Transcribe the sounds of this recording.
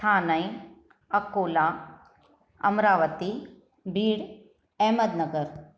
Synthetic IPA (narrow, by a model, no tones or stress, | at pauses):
t̪ʰaːnɐĩ | ɐkoːlaː | ɐ̰mɾaːʋət̪i | biːɽ | ɛːməd̪nɐɡəɾ